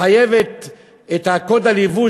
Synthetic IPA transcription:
ajevet̪ | et̪hakod̪alivu

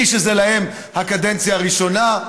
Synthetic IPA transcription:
iʃezelahe̞m | hakade̞nt͡sjaːʁiʃo̞na

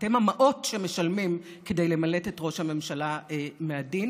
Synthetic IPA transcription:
temhamaʔo̞tʃemeʃalmim | kede̞jlemaletetʁo̞ʃhame̞mʃalaemeadin

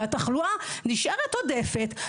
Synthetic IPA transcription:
ataχluaniʃeʁet̪odefet̪

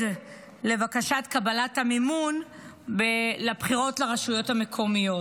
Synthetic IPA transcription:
le̞vakaʃatkabalathamimun | belapχiʁo̞tleʁaʃujo̞tame̞kʰo̞mijo̞t

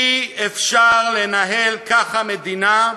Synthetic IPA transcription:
iefʃaʁle̞naɦelkaχhamed̪ina

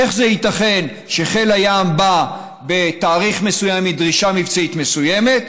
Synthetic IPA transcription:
eχzeit̪aχe̞n | ʃe̞χe̞lajamba | be̞t̪aːʁiχme̞sujamːid̪ʁiʃamivt͡sait̪me̞sujeme̞t̪

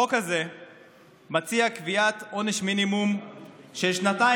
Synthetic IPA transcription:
okaze̞ | mat͡siakviat̪o̞neʃminimumʃelʃnat̪a

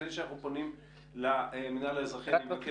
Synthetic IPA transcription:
imʃanaχnuponim | laeminaleezʁaχiabak

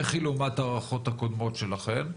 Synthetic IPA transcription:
eχilumat̪aʁaχo̞t̪hako̞d̪mo̞tʃelaχe̞m

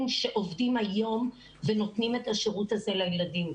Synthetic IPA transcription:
mʃeʔo̞vdimhajo̞m | veno̞tnime̞thaʃeʁutaze̞lajeladim

